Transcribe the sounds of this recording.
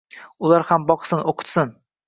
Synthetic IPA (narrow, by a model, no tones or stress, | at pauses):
ʊlˠaɾhambɒqsɪnoqʰʊ̥t̪sɪn